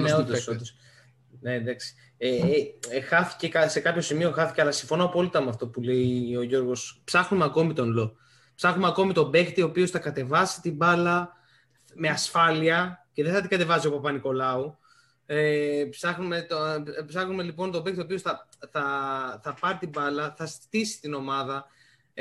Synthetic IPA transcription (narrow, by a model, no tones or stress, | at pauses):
eoso | ned̪ɐksi̥ | e | xɐθi̥ce̞kɐse̞kɐpço̞simio̞xɐθice̞ɐlɐsiɱfo̞noɐpo̞lit̪ɐmuɐft̪o̞pule̞io̞ʝo̞ɾɣo̞spsɐxnumeɐko̞mit̪o̞nlo̞ | psɐxnumeɐko̞mit̪o̞be̞xt̪io̞ːpio̞sθɐkɐt̪e̞vɐsi̥t̪ibɐlɐ | me̞ɐsfɐliɐce̞ðeθɐt̪iɡɐt̪e̞vɐsio̞pɐpɐniko̞lɐu | epsɐxnume̞t̪opsɐxnume̞lipo̞nt̪o̞bekt̪io̞pio̞sθɐθɐθɐpɐɾt̪ibɐlɐθɐst̪isi̥t̪ino̞mɐðɐ